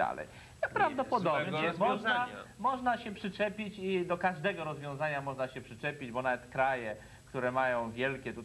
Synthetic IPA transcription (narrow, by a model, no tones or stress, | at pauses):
a̰lɛ̰j | pɾavd̪ɔpɔd̪ɔbnɛmɔʐnamɔʐnaɕɛpʂɨt͡ʂɛpʲit͡ɕid̪ɔkaʐd̪ɛɡɔɾɔzvʲjɔ̃zaɲamɔʐnaɕɛpʂɘt͡ʂɛpʲid͡ʑbɔnavɛt̪kɾajɛ | kt̪uɾɛmajɔ̃w̃vʲjɛlkʲɛt̪u